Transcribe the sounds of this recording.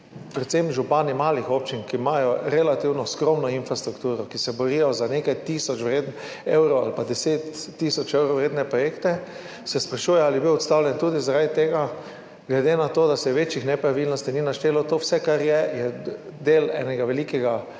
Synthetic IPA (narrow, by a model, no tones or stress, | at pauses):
pɾɛt̪semʒupanimaːlixop̚t͡ʃinkimajɔɾɛlat̪iwnɔskɾomnɔinfɾast̪ɾukt̪uːɾɔkisɛbɔɾijɔzanekajt̪isɔt͡ʃʋɾeːd̪n | ewɾowa̰lpad̪ɛseːt̪ːisɔt͡ʃewɾowɾeːd̪nɛpɾɔjekt̪ɛ | sɛspɾaʃuːjɛalibiwɔt̪st̪awlʲjɛnt̪uːd̪izaɾad̪it̪eːɡa | ɡlɛd̪enat̪oːd̪asɛʋet͡ʃixnɛpɾaʋilnɔst̪ininaʃt̪eːlɔt̪oːwsɛkaɾjɛjɛd̪eːlɛ̰ːnɛɡaʋɛliːkɛɡa